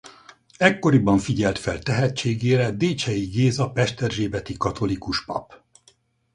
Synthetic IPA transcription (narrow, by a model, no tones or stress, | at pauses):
ɛkːo̞ɾibɒɱfiɟɛlt̪fɛlt̪ɛɦɛt͡ʃːeːɡeːɾɛd̪eːt͡ʃɛjiɡeːzɒpɛʃt̪ɛrʒeːbɛt̪ikɒt̪o̞likuʃpɒ̰p